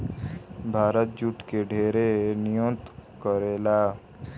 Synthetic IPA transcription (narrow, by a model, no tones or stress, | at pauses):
bʱaːɾət̪̚d͡ʒuʈkeɖʱeːɾenijõt̪kəɾeːlaː